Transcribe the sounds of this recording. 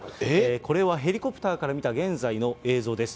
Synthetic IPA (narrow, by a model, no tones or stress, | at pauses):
ko̞ɾe̞βaɦe̞ɾʲiko̞pɯ̟t̪aːkaɾamʲit̪aɡẽ̞nzaino̞e̞ːzo̞ːd̪e̞sɨ̥